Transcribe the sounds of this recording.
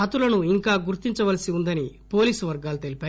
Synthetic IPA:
ɐt̪ulɐnuiŋkaːɡuɾt̪iɲt͡ʃɐʋɐlɐsiund̪ɐnipo̞ːliːsuʋɐɾɡaːlut̪elipaː

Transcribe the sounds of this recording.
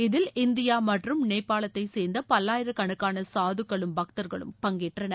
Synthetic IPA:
ɪðɪlɪnd̪ɪjaːmɐʈrɯmneːpːaːlɐt̪ːɐɪseːɾnd̪ɐpɐlːaːjɪɾɐkɐɳɯkːaːnɐsaːðɯkːɐɭɯmbɐk̚t̪ɐɾɣɐɭɯ̰mpɐŋɡeːʈrɐnɐ

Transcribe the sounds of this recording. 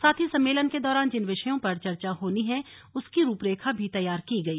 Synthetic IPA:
saːt̪ʰisɐ̃mːeːlənked̪ɔːɾaːnd͡ʒɪnʋɪʃəjõpɐɾt͡ʃɐɾt͡ʃaɦoːniɦɛ̃ | ʊskiɾuːpɾeːkʰabʱit̪ɐjːaːɾkiɡɐiː

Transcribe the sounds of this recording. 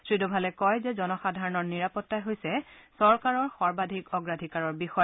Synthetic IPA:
sɹidubʱalɛkɔjzɛzɔnɔxadʱaɹɔnɔɹniɹapɔtːajɦojsɛsɔɹkaɹɔɹxɔɹbadʱikɔɡɹadʱikaɹɔɹbixɔj

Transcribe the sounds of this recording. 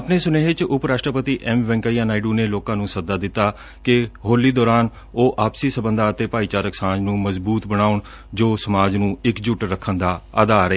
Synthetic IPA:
əpneːsʊneːɪt͡ʃʊpɾaːʂʈɾəpət̪iːʔɛmʋɛ̃ŋkaːijaːnaːiɖuːneːloːkãːnũːsəd̪aːd̪ɪt̪ːaː | kɪɦoːliːd̪ɔːɾaːn | oːʔaːpsiːsəbənd̪aːət̪eːpaːiːt͡ʃaːɾəksãːd͡ʒnũːməzbuːt̪bəɽ̃aːʊɳ | d͡ʒoːsəmaːd͡ʒnũːɪkd͡ʒʊʈɾəkʰːənd̪aːəd̪aːɾəeː

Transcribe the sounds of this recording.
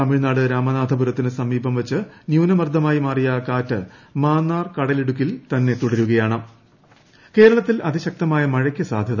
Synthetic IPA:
ɐmiɻnaːɽɨɾaːmɐnaːd̪ʱɐbuɾɐt̪ːinɨsɐmːiːbɐmʋɐt͡ɕːɨnjuːnɐmɐrd̪ʱɐmaːjimaːrijɐkaːtːɨmaːnːaːrkɐɽɐleɽuk̬ʲːilt̪ɐnːe̞t̪uɽɐɾuɣɐjaːɳɨ | ke̞ːɾɐɭɐt̪ːilɐd̪iɕɐk̚t̪ɐmaːjɐmɐɻɐkʲːɨsaːd̪ʱjɐð

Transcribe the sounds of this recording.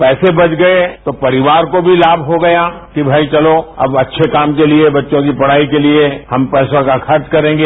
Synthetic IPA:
pɛːsebɐt͡ʃɡɐet̪opɐɾɪʋaːɾkobʱilaːbʱɦoɡɐja | kibʱaːit͡ʃɐloɐ̰bɐtːʃʰekaːmkeliebɐtːʃõkipɐɽ̤aːikeliehɐmpɛːsãkaxɐɾt͡ʃkɐɾẽːŋɡeː

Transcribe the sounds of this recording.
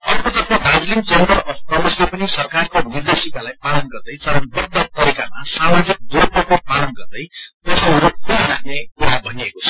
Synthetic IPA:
ʌrkot̪ʌrpʰʌ̃dʱad͡zlimt͡send̪ʌrʌpʰkʌʌslepʌnisʌrkarkonird̪esikalajpalʌnɡʌrd̪ʌjt͡sʌɾʌnbʌd̪ːʌt̪ʌɾikamasamad͡zik̚d̪op̪ʌpʌpalʌnɡʌrd̪ʌjt̪ʌsʌɾupːaɾaɦnekuɾabʱʌniekot͡sʰʌ̥

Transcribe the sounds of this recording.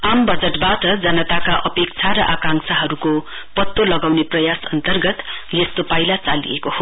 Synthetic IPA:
ambʌd͡zeʈbaʈʌd͡zʌnʌt̪akaʔʌpekt͡sʰaɾʌʔakãŋsaɦʌɾuko | pʌt̪ːolʌɡawneprʌjasʌnt̪ʌrɡʌt̪jest̪opajlat͡salḭjekoho

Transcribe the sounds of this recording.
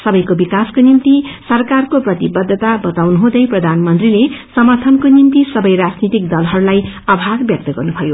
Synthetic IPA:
sʌbʌjkobikaskonimt̪isʌrkarkoprʌt̪ibʌd̪ʱːʌt̪abʌt̪awnuɦũd̪ʌjprʌd̪ʱanmʌnt̪rilesʌmʌrt̪ʰʌnkonimt̪isʌbʌjrad͡znit̪ik̚d̪ʌlɦʌɾulajʌbʱaɡbjʌk̚t̪ʌɡʌrnubʱʌjo

